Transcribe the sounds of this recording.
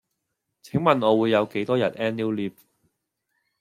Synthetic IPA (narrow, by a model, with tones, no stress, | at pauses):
t͡sʰɪ˨˥ŋmɐ˨nɔː˨˧wuː˨˧jːɐ˨˧wke˨˥jt̪ɔː˥jɐ˨t̚ɛː˥nːiː˥wliː˥p̚